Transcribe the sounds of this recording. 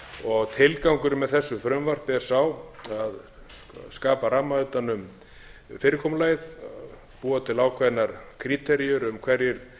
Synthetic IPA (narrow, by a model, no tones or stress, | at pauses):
ɔɣt̪ʰɪlkawŋkʏɾmɛðθɛsːʏfɾœmvar̥pɛɾ̥sawað | skaːpaɾaːmaœt̪anʏm | fɪːɾɪkʰɔːmlaːjð | puːat̪ʰɪlaːwkʰvajnaɾ̥kʰɾit̪ʰɛɾiʏɾʏmkʰvɛɾjɪɾ